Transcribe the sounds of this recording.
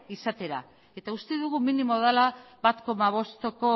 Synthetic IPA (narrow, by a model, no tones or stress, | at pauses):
isat̪e̞ɾa̰ | e̞t̪aɣust̪eðuɣuminimoðalaβat̪ko̞maβ̞o̞st̪ko̞